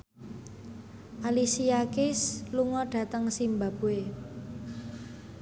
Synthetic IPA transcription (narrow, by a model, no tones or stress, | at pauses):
ʔalisiakɪsluŋɔɖ̥ä̤t̪əŋsimbab̥ue